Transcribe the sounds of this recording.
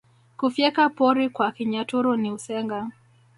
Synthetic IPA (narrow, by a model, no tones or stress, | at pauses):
kufjɛkapɔɾikwakiɲatuɾuniusɛŋɡa